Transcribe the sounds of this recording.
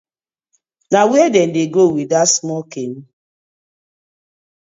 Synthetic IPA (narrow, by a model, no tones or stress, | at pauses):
nawɛdɛn̩deɡɾowidatsmɔkem̩